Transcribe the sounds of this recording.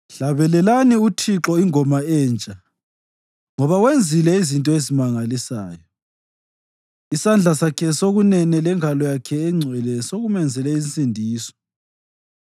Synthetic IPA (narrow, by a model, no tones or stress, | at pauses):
ɬaβɛlɛlaniutʰiǁɔiŋɔmaɛːnt͡ʃʼa | ŋɔβawend͡zʱilɛizintʼɔezimaŋalisaːjɔ | isand͡ɮʱasakʰɛsoɣunɛnɛlɛŋalɔjakʰɛːŋ͡ǀʱwɛlɛsoɣumɛnd͡zʱɛlɛint͡sʼindʱiːsɔ̥